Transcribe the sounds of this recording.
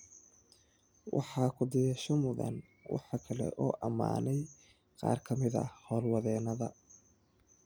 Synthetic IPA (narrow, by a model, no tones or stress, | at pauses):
wʔɑ̰ħɑːkʰʊd̪ɪjɛʃɔmʊðɐ̰n | wʔɑ̰ħɑkʰɐlɛ̰ʔɔːʔɐma̰ːnɛj | qɑ̰ːrkʰɐmɪðɐ̰hɔːlwɑðɛːnɐðɐ